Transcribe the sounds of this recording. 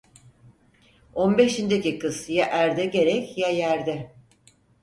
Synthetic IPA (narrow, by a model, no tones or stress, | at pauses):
o̞nbeʃind̪ecikɯsjaʔæɾd̪ɛɟe̞ɾɛcjajæɾd̪ɛ